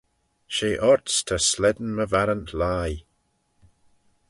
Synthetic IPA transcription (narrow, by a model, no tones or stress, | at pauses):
ʃeːʔɔɹtstʰəslɛd̪n̩məvaɾəntʰlaj